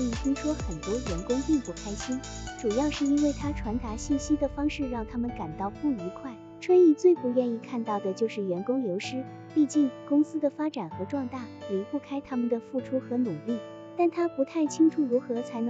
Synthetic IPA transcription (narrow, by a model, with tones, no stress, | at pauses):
i˥˩t̪ʰi˥ŋʂwɔ˥xə˨˩nt̪wɔ˥jɛ˧˥nkʊ˥ŋpi˥˧ŋpu˥˩kʰa˥ɪt͡ɕʰi˥n | ʈ͡ʂu˨˩jɑ˥˧ʊʂɻ̩˥˩i˥nwe˥˩ɪt̪ʰa˥ʈ͡ʂʰwa˧˥nt̪a˧˥ɕi˥˩nɕi˥d̪ə˨fɑ˥ŋʂɻ̩˥˧ɻɑ˥˩ŋt̪ʰa˥mə˨nka˨˩nt̪ɑ˥˧ʊpu˥˩i˧˥kʰwa˥˩ɪ | ʈ͡ʂʰwə˥ni˥˧t͡swe˥˩ɪpu˧˥ɥɛ˥˧ni˥˧kʰa˥˧nt̪ɑ˥˩ʊd̪ə˩t͡ɕjo˥˧ʊʂɻ̩˥˩jɛ˧˥nkʊ˥ŋjo˧˥ʊʂɻ̩˥ | pi˥˧t͡ɕi˥˩nkʊ˥ŋsɹ̩˥d̪ə˨fa˥ʈ͡ʂa˨˩nxɤ˧˥ʈ͡ʂwɑ˥˧ŋt̪a˥˩ɛ˨˩pu˥˩kʰa˥ɪt̪ʰa˥mə˨nd̪ə˩fu˥˩ʈ͡ʂʰu˥xɤ˧˥nu˨˩li˥˩ | t̪a˥˩nt̪ʰa˥pu˧˥t̪ʰa˥˩ɪt͡ɕʰi˥ŋʈ͡ʂʰu˨˩ɻu˧˥xɤ˧˥t͡sʰa˧˥ɪnɤ˧